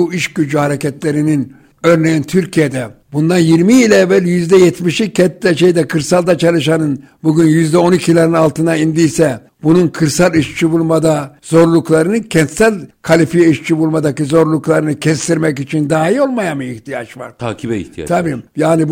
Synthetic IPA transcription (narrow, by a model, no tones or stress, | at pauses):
uiʃɟyd͡ʒyhaɾecɛt̪lʲeɾinin | øɾnejænt̪ʰyɾcʰijed̪ɛ | bund̪anjiɾmiilʲɛvælʲjyzd̪ɛjɛt̪miʃicʰɛt̪ːɛʃejd̪ɛkʰɯɾsalˠd̪at͡ʃʰalˠɯʃanɯn | buɟynjyzd̪ɛo̞nicʰilʲanɯnalˠt̪ʰɯnaind̪ijsɛ | bununkʰɯɾsalˠiʃt͡ʃʰibulˠmad̪azo̞ɾlˠuklˠaɾɯnɯncʰɛnt̪sælʲkʰalʲifijiʃt͡ʃʰibulˠmad̪acɯzo̞ɾlˠuklˠaɾɯnɯcʰɛst̪ʰiɾmɛcit͡ʃʰind̪aːɦilo̞lˠmajamɯiçt̪ʰijat͡ʃva̰ɾ̥t̪ʰa̰ːkʰibɛḭht̪ʰija̰t̪ʰabiːjaːnib